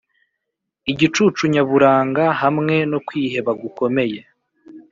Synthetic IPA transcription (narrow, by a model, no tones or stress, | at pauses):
iɟit͡ʃuːt͡ʃuɲaβuɾaːŋɡahamŋe̞nokwiːhe̞βaɡuko̞me̞je̞